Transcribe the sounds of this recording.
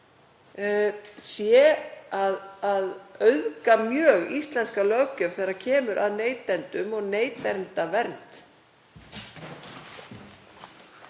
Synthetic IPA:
sjɛaðaðœɥðkamjœːɣist̪lɛnskalœwcœvθejɾḁcʰɛːmʏɾʔaðneːjt̪ɛnt̪ʏmɔɣneːjt̪ɛnt̪avɛɾnt̪

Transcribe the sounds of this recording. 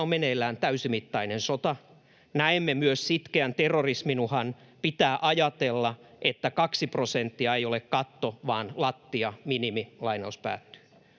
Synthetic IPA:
ommenelːæːnt̪æysimit̪ːɑinensot̪ɑ | næemːemyøssit̪keænt̪erːorisminuhɑn | pit̪æːʔɑjɑt̪elːɑʔet̪ːækɑksiprosent̪ːiɑejolekkɑt̪ːoʋɑːnlɑt̪ːiɑminimilɑinɑuspæ̰ːt̪ːy̥ː

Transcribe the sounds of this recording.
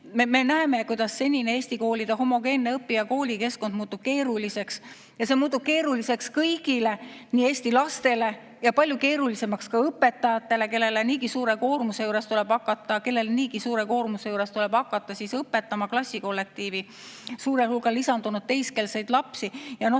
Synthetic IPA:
meme̞næeme̞kujd̪ɑsːe̞nʲineeːsʲt̪iko̞ːlʲid̪̥ɑɦo̞mo̞ɡe̞ːnːeɤpːˑiɑko̞ːlʲike̞sko̞nd̪muːt̪ːub̥ke̞ːɾulise̞ks | jɑse̞muːt̪ːˑub̥̚ke̞ːɾulise̞kskɤjɡ̥ile̞niːe̞ːsʲt̪ilɑst̪e̞le̞ | jɑpɑlʲjuke̞ːɾulise̞mɑkskɑɤpːe̞t̪ːˑɑjɑt̪ːˑe̞le̞ke̞lːe̞leniːɡisuːɾe̞ko̞ːrmuse̞juːɾe̞st̪ule̞b̥ɑkːˑɑt̪ˑːɑke̞lːe̞leniːɡisuːɾe̞ko̞ːrmuse̞juːɾe̞st̪ule̞b̥ɑkːˑɑt̪ːˑɑsisɤpːˑe̞t̪ˑːɑmɑklɑsʲːiko̞lːe̞k̚t̪iːvi | suːɾehulɡ̥ɑlisɑnd̪̥unud̪̚t̪e̞jske̞lsejd̪̥lɑpsijɑno

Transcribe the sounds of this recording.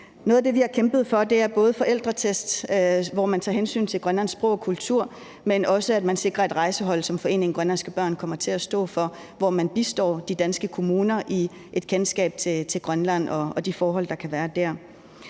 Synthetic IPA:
nɔ̽ːðˠɐd̥e̝ʋihɑ̈kʰemb̥ð̞̩ˠfɒ̽d̥e̝æɐb̥ɔ̽ːð̞ˠəfɒ̽ʔel̰d̥ʁɐt͡sʰesd̥ʋɒmænt͡sʰɑ̈ːɦensy̰ːnt͡sʰe̝lɡ̥ʁɶnlæn̰sb̥ʁɔ̰ʊɒkʰult͡sʰuɐ̰ | menɒ̽səæd̥mænse̝ɡ̥ʁɐe̝d̥ʁɑ̈ɪsəɦɒ̽l̰sɒ̽mfɒ̽e̝̰ːne̝ŋ̩ɡ̥ʁɶnlænsɡ̥əb̥ɶɐ̰nkʰɒ̽m̰ɐt͡sʰe̝æsd̥ɔ̰̽ːfɒ̽ | ʋɒmænb̥isd̥ɒ̰ːd̥id̥ænsɡ̥əkʰo̝muːnɐʔi | ʔe̝d̥kʰensɡ̥ɛ̰ːb̥̚t͡sʰe̝t͡sʰe̝lɡ̥ʁɶnlæn̰ɒ̽ɒ̽d̥ifɒːɦɒ̽l̰d̥ɑ̈kʰæʋæːɐd̥æɐ̰

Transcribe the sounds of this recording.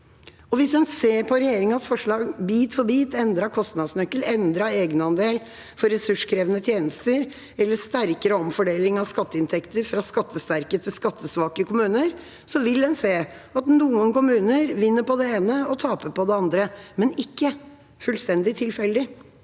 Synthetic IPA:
ɔʋɪsd̪ɛnseːpʰɔɾɛjeːɾɪŋɑsfɔʂɭɑːɡbiːt̪fɔbiːt̪ɛnd̪ɾɑkʰɔst̪nɑd̪smœkːəlɛnd̪ɾɑeːɡənɑnd̪eːl | fɔɾɛsʉʂkʰɾeːʋənət̪ʰjeːnəst̪əɾ | ɛlːəʂt̪æɾkəɾəɔmfɔɖeːlɪŋɑʋskɑt̪ːəɪnt̪ʰɛkt̪əɾfɾɑskɑt̪ːəst̪æɾkət̪ʰɪlskɑt̪ʰːəsʋɑːkəkʊmʉːnəɾ | sɔʋɪld̪ɛnseː | ɑt̪nuːənkʊmʉːnəɾʋɪnːəpɔd̪ɛeːnəɔt̪ʰɑːpəpɔd̪ɛɑnd̪ɾəmɛnɪkːə | fʉlst̪ɛnd̪ɪt̪ʰɪlfɛld̪ɪ

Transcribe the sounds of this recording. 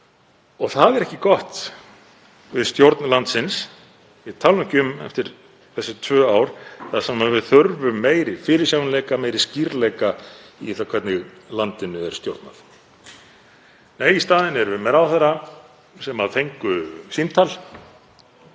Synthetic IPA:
ɔɣθaðɛɾɛhcɪkɔht̪ | vɪðst̪jowɾt̪nlant̪sɪns | it̪ʰalʏhcʏmɛ̰ft̪ɪɾ̥ | θɛsːɪt̪ʰvœːaːwɾ̥θaðsammavɪðθœɾvʏmːeːjɾɪfɪːɾɪ̥sjawnlejkameːjɾɪsciɾlejkaiθakʰvɛɾt̪nɪɣlant̪ɪnːʏɛɾ̥st̪jowɾt̪naθ | neːjist̪aːðɪnɛɾvɪmɛðawθaɾa | sɛmaðθʰejŋkʏsint̪ʰal

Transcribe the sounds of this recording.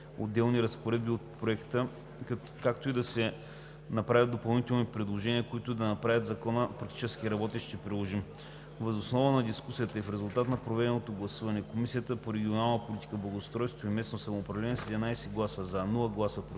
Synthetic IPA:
o̰d̪ːɛlˠniɾɐspoɾɛd̪biot̪̚pɾoɛkt̪ə | kakt̪oid̪ɐsɛ | nɐpɾavʲəd̪opɐlˠnit̪ɛlˠnipɾɛd̪lˠoʒɛniəkoit̪ʊid̪ɐnɐpɾavʲət̪zɐkɔnəpɾɐk̚t̪it͡ʃɛskiɾɐbɔt̪iʃt̪ɛpɾilˠɔʒim | vəzosnɔvənɐd̪iskusiət̪əifɾɛzulˠt̪at̪nɐpɾovɛd̪ɛnot̪oɡlˠɐsuvɐnɛkomisijət̪əpoɾɛɡʲionalˠnəpolʲit̪i̥kəblˠɐɡost̪ɾɔjst̪voimɛsnosɐmoːpɾɐvlɛnɛsɛd̪ɛmnajsɛɡlˠasəzanulˠəɡlˠasəpɾ

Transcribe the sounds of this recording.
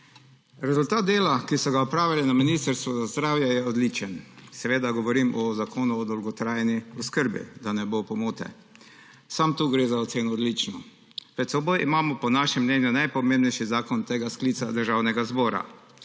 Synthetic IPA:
ɾɛzʊlt̪aːt̪̚d̪eːlakisɔɡaɔpɾaːʋalɛnaminist̪əɾst̪ʋɔzazd̪ɾaːwjajɛɔd̪lit͡ʃənsɛʋeːd̪aɡɔʋɔɾimʔɔzakʰoːnuɔd̪ɔwɡɔt̪ɾaːjɛniɔskəɾbḭd̪anɛbopɔmuːt̪ɛ̰ | samt̪uːɡɾeːzaɔt̪seːnɔːd̪lit͡ʃnɔ | pɾɛt̪sɛbojʔimaːmɔpɔnaʃɛmːnɛnjunajpɔmẽmbnɛjʃizaːkɔnt̪eːɡaskliːt̪sad̪əɾʒaːwnɛɡazbɔːɾa̰

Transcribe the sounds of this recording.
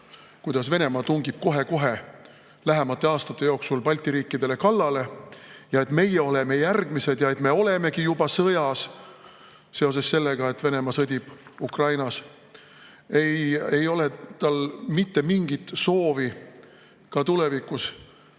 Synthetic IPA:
kujd̪̥ɑsve̞ne̞mɑt̪uŋɡ̥ib̥̚ko̞ɦe̞ko̞ɦe̞ | læɦemɑt̪ːˑe̞ɑːst̪ɑt̪ˑːe̞jo̞ksulpɑlʲt̪iɾiːkːˑid̪̥e̞le̞kɑlːɑle̞jɑe̞t̪me̞jeo̞le̞me̞jærɡ̥mise̞d̪̥jɑe̞t̪me̞o̞le̞me̞kijubɑsɤjɑs | se̞o̞s̬e̞sːe̞lːe̞ɡ̥ɑe̞t̪ːve̞ne̞mɑsɤd̪̥ʲib̥ukrɑjnɑs | e̞jejo̞le̞t̪ɑlmit̪ːe̞miŋɡ̥it̪so̞ːvi | kɑt̪ule̞vikːˑus

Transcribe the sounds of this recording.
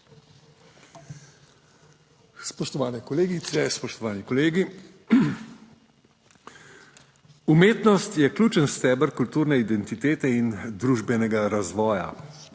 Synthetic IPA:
spɔʃt̪ɔʋaːnɛkɔleːɡit̪sɛspɔʃt̪ɔʋaːnikɔleːɡi | umeːt̪nɔst̪jɛklʲuːt͡ʃənst̪ɛːbəɾkult̪uːɾnɛid̪ɛnt̪it̪eːt̪ɛind̪ɾuːʒbɛnɛɡaɾazʋɔːja̰

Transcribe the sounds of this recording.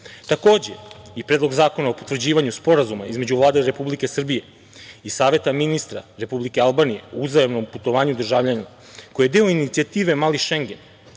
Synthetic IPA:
t̪ako̞ːd͡ʑe̞̰ipɾeːd̪lˠo̞ɡzaːko̞naopot̪vr̩d͡ʑiːʋaɲuspo̞ɾazumaizme̞d͡ʑuvlˠaːd̪aiɾe̞publike̞sr̩bije̞ | isaːʋe̞t̪aminist̪ɾa̰ɾe̞publikealˠbaːnije̞̰uzajamno̞mput̪oʋaːɲud̪r̩ʒaːʋʎana | kojed̪e̞o̞init̪siat̪iːʋe̞maliʃe̞ŋɡe̞n

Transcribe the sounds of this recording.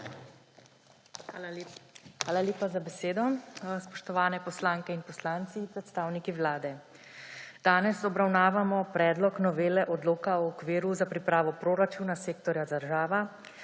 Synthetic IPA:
xaːlaljeːpazabɛseːd̪ɔspɔʃt̪ɔʋaːnɛpɔslaːŋkɛinpɔslaːnt̪sipɾɛt̪st̪aːwnikiʋlaːd̪ɛ | d̪̥aːnɛsɔbɾawnaːʋamɔpɾɛːd̪lɔknɔʋeːlɛʔɔd̪loːkaɔːkʋiːɾuzapɾipɾaːʋɔpɾoːɾat͡ʃuːnaseːkt̪ɔɾjad̪əɾʒaːʋa

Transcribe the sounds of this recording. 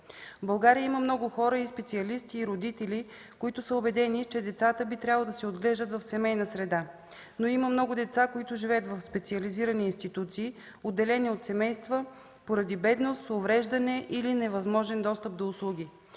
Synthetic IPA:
vbɐlˠɡaɾiəiməmnɔɡʊxɔɾəispɛt̪siɐlist̪iːɾod̪it̪ɛli | koit̪ʊsəobɛd̪ɛnit͡ʃɛd̪ɛt̪sat̪əbit̪ɾʲablˠod̪ɐsɛod̪ɡlɛʒd̪ət̪vɐfsɛmɛjnəsɾɛd̪a | noiməmnɔɡʊd̪ɛt̪sakoit̪ʊʒivɛət̪vɐfspɛt̪siəliziɾəniːnst̪it̪ut̪siː | od̪ːɛlɛniot̪sɛmɛjst̪və | poɾɐd̪ibɛd̪nost̪sovɾɛʒd̪ɐnɛʔilinɛvɐzmɔʒɛnd̪ɔst̪əp̚d̪oʊslˠuɡ̟ʲi

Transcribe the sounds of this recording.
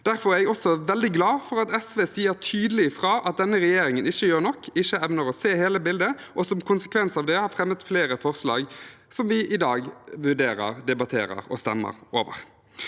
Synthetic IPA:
d̪̥æɾfɔɾæɛɡɔsɔʋɛld̪ɪɡlɑːfɔɾɑt̪ɛsʋeːsiːəɾt̪ʰyːd̪əlɪfʁɑːʔɑt̪̚d̪ɛnːəɾɛjeːɾɪŋənɪçːəjøːɾnɔkʰːɪçəɛʋnəɾɔseːheːləbɪld̪əʔɔsɔmkʰʊnsə̥kʰʋɛnsɑʋd̪ɛhɑɾfɾɛmət̪fleːɾəfɔʁslɑ̰ːɡ | sɔmʋɪʔɪd̪ɑːɡʋʉʁɖ̪eːɾə̰ɾd̪ɛbɑt̪ʰeːɾə̰ɾɔ̰st̪ɛ̰mːə̰ɾo̰ːʋə̰ʁ

